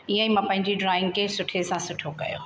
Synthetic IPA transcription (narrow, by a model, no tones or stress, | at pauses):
iə̃ĩmãpɐ̃ɦɪ̃ɲd͡ʑiɖɾaːɪ̃ŋɡkʰesʊʈʰesãsʊʈʰokɐ̰jo̰ː